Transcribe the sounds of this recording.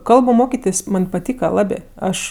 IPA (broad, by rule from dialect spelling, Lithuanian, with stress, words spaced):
ˈkɐlˠbʊ ˈmoːkʲɪtʲeːsʲ ˈmɐnʲ pɐˈtʲiːkɐ ˈlˠɑːbʲeː ˈɐʃ